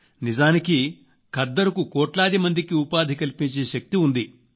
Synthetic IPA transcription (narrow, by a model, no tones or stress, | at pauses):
nizaːniki | kʰɐd̪ːɐɾukukɔːʈlaːd̪imɐnd̪ikiupaːd̪ʱikɐlipiɲt͡ʃeːʃɐk̚t̪iund̪i